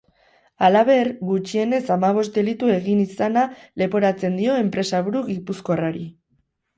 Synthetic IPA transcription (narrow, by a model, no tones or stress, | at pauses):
alaβe̞ɾɡut͡ʃie̞ne̞samaβ̞o̞st̪d̪e̞lit̪ue̞ɣ̞inisanale̞po̞ɾat͡se̞nd̪io̞e̞mpɾe̞saβuɾuɣipusko̞raɾi